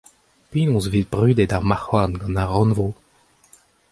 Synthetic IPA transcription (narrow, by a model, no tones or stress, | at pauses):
pinɔ̃svit̪̚bʁyd̪ed̪aʁmaχwanɡɑ̃naʁɑ̃nvo